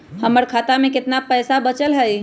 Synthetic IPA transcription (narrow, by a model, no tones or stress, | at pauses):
həməɾkʰaːt̪amẽkɪt̪napɛːsabət͡ʃəlɦəj